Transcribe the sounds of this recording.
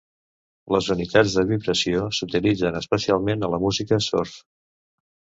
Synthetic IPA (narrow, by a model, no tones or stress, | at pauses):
ləzunit̪ad͡zd̪əβiβɾəsiosut̪ilid͡zənəspəsialˠmenələmuzikəsoɾθ